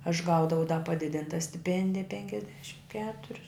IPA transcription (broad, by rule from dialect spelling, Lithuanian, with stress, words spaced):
ɐʃ ˈɡɐʊdɐʋɐʊ dɐ pɐˈdʲɪdʲɪntɐ sʲtʲɪˈpʲɛnʲdʲɪjɛ pʲɛŋʲkʲɛzʲˈdʲæːʃʲɪm ˈkʲæːtʊrʲʊs